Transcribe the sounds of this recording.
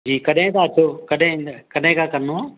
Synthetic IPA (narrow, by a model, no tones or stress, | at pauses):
d͡ʑiːkɐɗɦɪ̃t̪ʰaɐt͡ɕʰokɐɗɦɪ̃kɐɗɦɪ̃kʰãːkɐɾno